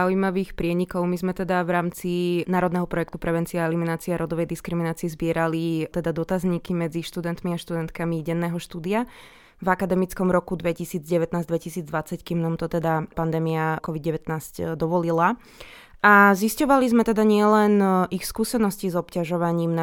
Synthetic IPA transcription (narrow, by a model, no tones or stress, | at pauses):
aujmaʋiːxpɾɪɛɲikɔʊmizmɛt̪ɛd̪avɾaːmt͡sinaːɾɔd̪nɛɦɔpɾɔjɛk̚t̪upɾɛʋɛnt͡siɛaɛliminaːt͡siɛaɾɔd̪ɔʋɛjd̪iskɾiminaːt͡siɛzbɪɛɾalit̪ɛd̪ad̪ɔt̪azɲikimɛd͡ziʃt̪ud̪ɛnt̪miaʃt̪ud̪ɛnt̪kamiɟɛnːɛːɦɔʃt̪uːd̪ia | vakad̪ɛmit͡skɔmɾɔkud̪ʋɛcisiːd͡zɟɛʋɛt̪naːzd̪ʋɛcisiːd͡zd̪ʋat͡sackiːmnaːmt̪ɔt̪ɛd̪apand̪ɛːmiakɔʋid̪̚ɟɛʋɛt̪naːzcd̪ɔʋɔlila | aziscɔʋalizmɛt̪ɛd̪aɲɪɛlɛnixskuːsɛnɔscizɔpcaʒɔʋaɲiːmna